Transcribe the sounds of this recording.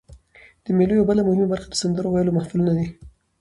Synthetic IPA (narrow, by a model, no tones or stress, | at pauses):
d̪̥əmelojawbəlamʊhɪmabaɾxad̪əsand̪əɾowajəlomahfulnad̪i